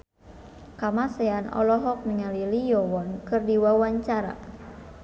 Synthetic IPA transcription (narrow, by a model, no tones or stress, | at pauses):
kamasɛanɔ̰lɔɦɔk̚niŋalilijɔwɔnkɨrdiwawaɲt͡ʃaɾa̰